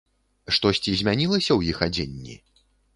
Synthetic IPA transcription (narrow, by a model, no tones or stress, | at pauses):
ʂt̪ɔsʲt͡sʲizʲmʲanʲilˠɐsʲɐwjixad͡zʲenʲːḭ